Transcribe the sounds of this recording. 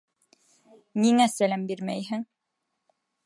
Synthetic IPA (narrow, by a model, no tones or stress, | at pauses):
niŋæsælæmbiɾmæjɦɘŋ